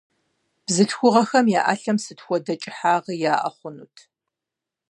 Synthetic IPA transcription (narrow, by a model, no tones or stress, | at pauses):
b̥zɨɬxʷʊʁɐxɐmjaːʔa̰ːɬɐmsɨtxʷɔdɐt͡ʃʼɪħaːʁijaːʔɐ̰χʷʊnṵːtʰ